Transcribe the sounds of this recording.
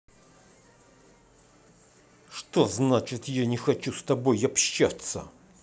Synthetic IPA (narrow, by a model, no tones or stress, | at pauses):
ʂt̪o̞znat͡ɕɪt̪janʲɪxɐt͡ɕust̪ɐbojɐpɕːat̪sə̰